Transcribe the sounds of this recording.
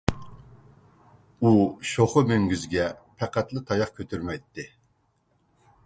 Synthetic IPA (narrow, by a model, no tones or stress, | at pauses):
uʃoχʊmøŋɡʲyzɡʲɛpʰɛqæt̪lɪt̪ʰɑjɑχkʲʰøt̪ʰyɾmɛjt̪ʰːɪ